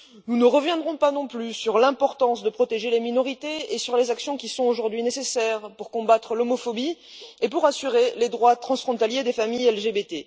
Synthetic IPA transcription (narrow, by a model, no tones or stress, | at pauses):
nunəʁəvjɛ̃d̪ʁɔ̃panɔ̃plysyʁlɛ̃pɔʁt̪ɑ̃sd̪əpχɔt̪eʒeleminɔʁit̪eesyʁlezaksjɔ̃kʲisɔ̃oʒuʁd̪ɥinesesɛʁpuʁkɔ̃bat̪χəlɔmɔfɔbi | epuʁasyʁeled̪ʁwat̪χɑ̃sfχɔ̃t̪aljed̪efamijɛlʒebet̪e